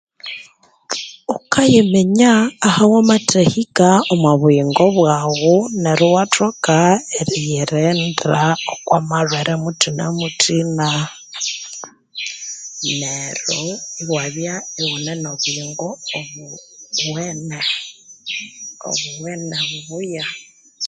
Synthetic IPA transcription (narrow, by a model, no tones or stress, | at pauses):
okʰajemeɲaːhawamatʰehikaomwaβuiŋɡoβwaɣuneɾuwatokaeɾijeɾendraokwamarweɾʔemutʰina̰mutʰina | neɾoiwaβjaiwunenoβuiŋɡoːβuwene | o̰βuweneβuβuja